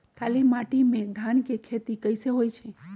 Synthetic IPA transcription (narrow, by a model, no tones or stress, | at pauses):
kʰalimaʈimẽd̪ʱaɳkekʰet̪ikəjseɦojt͡ʃʰe